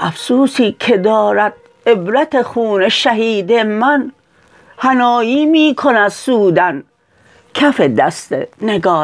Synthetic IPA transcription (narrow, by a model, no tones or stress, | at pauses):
ʔæfsuːsiːkʰed̪ɒːɾæd̪̥̚ | ebɾæt̪ʰexuːneʃæɦiːd̪emæn | hænɒːjiːmiːkʰonæd̪suːd̪æn | kʰæfed̪æst̪ḛneɡɒː